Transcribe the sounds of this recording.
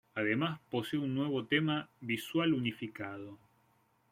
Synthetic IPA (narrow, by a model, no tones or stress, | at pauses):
aðemaspo̞seunːwe̞β̞o̞t̪emaβiswalunifikað̞o̞